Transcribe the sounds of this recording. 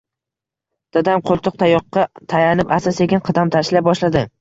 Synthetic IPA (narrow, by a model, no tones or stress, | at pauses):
d̪̥ad̪amqʰolˠt̪ʰʊq̚t̪ʰajɒqːɑt̪ʰajanɪpasaseɡʲɪnqʰɨd̪amt̪ʰaʃlap̚bɒʃlad̪ɪ